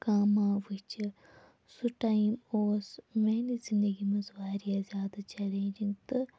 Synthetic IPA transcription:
kaːmaːʋɨt͡ʃɨ | suʈajmoːsmeːnizind̪ɐɡimɐzʋaːɾijaːzʲjaːd̪at͡ʃɛlẽːnd͡ʒiŋt̪ɨ

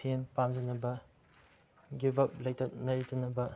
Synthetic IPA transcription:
enpamd͡ʒɐnɐbɐ | ɡibɐp̚lɐjtɐnɐɾitɐnɐbɐ

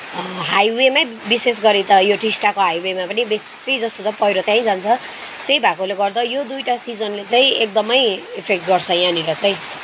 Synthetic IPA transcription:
ɦajwema | bises̬ɡʌɾet̪ʌjoʈisʈakoɦajwemapʌnibessid͡zʌst̪ot̪ʌpʌeɾot̪jãĩd͡zant͡sʰʌ | t̪ejbʱakoleɡʌrd̪ʌjod̪ujʈasid͡zʌnlet͡saĩek̚d̪ʌmʌjepʰek̚ʈ̚ɡʌrt͡sʰʌjãniɾʌt͡sãĩ

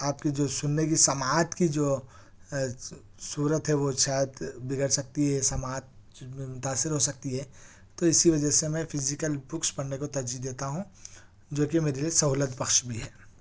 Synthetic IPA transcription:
aːp̚kid͡ʒoːsʊnːekisɐmaːt̪kid͡ʒoː | suːɾət̪ɦɛʋoʃaːjəd̪bɪɡəɽsɐk̚t̪iɦɛsɐmaːt̪̚ | mʊt̪aːsːɪɾɦosɐk̚t̪iɦɛː | t̪oɪsiʋɐd͡ʒəsemɛ̃fɪzɪkəlbʊkspɐɽnekot̪ɐɾd͡ʒiːd̪eːt̪aɦũ | d͡ʒoːkimeːɾeliesɐɦuːlət̪pɐxʃbʱiɦɛː

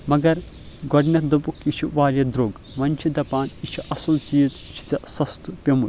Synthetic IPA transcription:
mɐɡɐɾ | ɡɔɖnʲɐt̪d̪ubukʰit͡ʃʰiʋaːɾʲɐd̪ɾoːɡ | ʋɐnʲt͡ʃʰid̪ɐpaːnit͡ʃʰiʔɐsɐlt͡ʃiːz | t͡ʃʰi̥t͡sɐsɐst̪upʲemuɾ

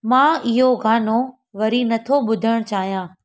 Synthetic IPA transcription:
mãːɪɦoɡaːno | ʋɐɾinɐt̪ʰoɓʊd̪ʱəɽ̃t͡ɕaːɦijãː

